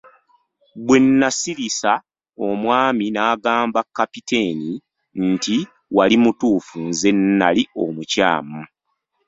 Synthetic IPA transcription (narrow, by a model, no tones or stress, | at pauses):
bwe̞nːasiɾisa | o̞mwaːminaːɡaːmbakːapite̞ːni | nti | walimutuːfunze̞nːalio̰muca̰ːmu